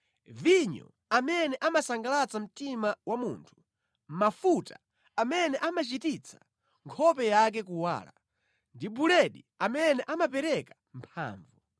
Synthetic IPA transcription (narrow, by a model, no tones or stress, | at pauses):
viɲɔ̰ | amɛnɛʔamasaŋɡalat͡sam̩timawamuːntʰu̥ | mafuta | amɛnɛʔamat͡ʃitit͡sʰḁ | ŋkʰɔpɛjak̬ɛkuwa̰ːla̰ | ndibulɛɗi | amɛnɛʔamapɛɾɛkḁ | m̩pʰa̰ːɱvu